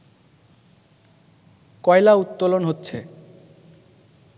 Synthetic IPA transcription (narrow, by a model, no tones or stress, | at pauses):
kɔelaut̪ːolonɦotːɕʰe